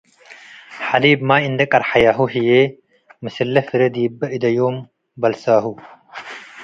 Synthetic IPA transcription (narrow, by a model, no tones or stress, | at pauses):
ħɐliːbmaːind̪ɐkʼɐɾħɐjaːɦuɦije | mɐsilːɐfiɾed̪iːbːɐid̪ɐjoːm | bɐlsaːɦu